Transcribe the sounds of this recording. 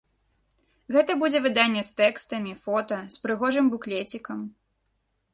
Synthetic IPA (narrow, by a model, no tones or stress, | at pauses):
ɣɛt̪ɐbud͡zʲɛvɨd̪anʲːɛst̪ɛkst̪ɐmʲifɔt̪ɐspɾɨɣɔʐɨmbuklʲet͡sʲikɐm